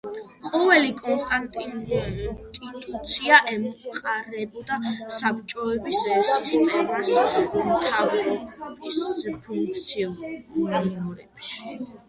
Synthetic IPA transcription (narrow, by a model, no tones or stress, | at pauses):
qʼɔvɛlikʼɔnst̪ʼant̪ʼi | t̪ʼit̪ʼut̪sʰiaʔɛmqʼaɾɛbɔd̪asapt͡ʃʼɔɛbissist̪ʼɛmasmt̪ʰavbispʰuŋkk̚ʰt̪sʰiɔniɔɾɛbʃ